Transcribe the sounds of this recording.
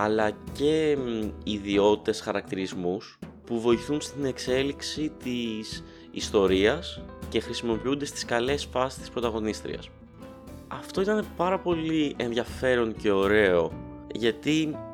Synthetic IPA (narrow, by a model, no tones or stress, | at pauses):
ɐlɐce̞ | iðio̞t̪it̪e̞sxɐɾɐk̚t̪iɾizmuspuvo̞iθunst̪ine̞kse̞liksit̪is | ist̪o̞ɾiɐsce̞xɾisimo̞piund̪e̞st̪i̥skɐle̞sfɐsi̥st̪ispɾo̞t̪ɐɣo̞nist̪ɾḭɐ̰s | ɐft̪o̞it̪ɐne̞pɐɾɐpo̞lie̞nðʝɐfe̞ɾo̞nce̞o̞ɾe̞o̞ʝɐt̪i